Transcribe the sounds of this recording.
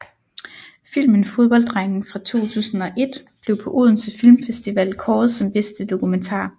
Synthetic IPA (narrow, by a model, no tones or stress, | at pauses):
fil̰mənfo̝ð̞ˠb̥ɒ̽ld̥ʁaŋn̩fʁɑ̈t͡sʰo̝̰ːt͡sʰṵːsn̩ɒ̽ʔe̝d̥b̥le̝ʊpʰɒ̽ʔuð̰ˠn̩sʰefilmfesd̥iʋɛl̰kʰɒːð̩ˠsɒ̽mbesd̥əd̥o̝kument͡sʰɑ̰̈ː